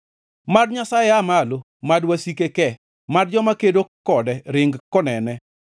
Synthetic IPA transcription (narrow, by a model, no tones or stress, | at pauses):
madɲasajeamalo | madwasikekɛ | madd͡ʒɔmakedokɔdɛɾɪŋɡkɔnɛnɛ